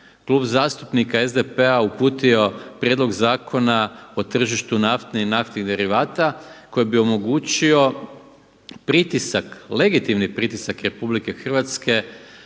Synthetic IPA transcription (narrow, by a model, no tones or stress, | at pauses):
klˠuːbzaːst̪upnikaezd̪epeaupuːt̪io̞pɾʲjed̪lo̞ɡzaːkʰo̞nao̞t̪r̩ʒiʃt̪unaft̪niinaft̪niɣd̪e̞ɾiʋaːt̪ako̞jebio̞mo̞ɡuːt͡ɕio̞ | pɾit̪isakle̞ɡit̪imnipɾit̪isakɾe̞publike̞xr̩ʋat̪ske̞